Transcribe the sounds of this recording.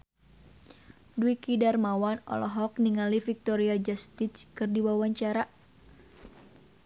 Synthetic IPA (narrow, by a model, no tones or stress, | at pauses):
duwikidarmawanɔ̰lɔɦɔk̚niŋalifik̚t̪ɔɾiad͡ʒast̪it͡ʃkɨrdiwawaɲt͡ʃaɾa